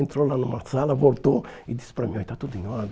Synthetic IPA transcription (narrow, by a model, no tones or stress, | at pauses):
ent̪ɾɔlanumaɾt̪salavolt̪oid̪ispɾamiɔjt̪at̪ud̪iɲoad̪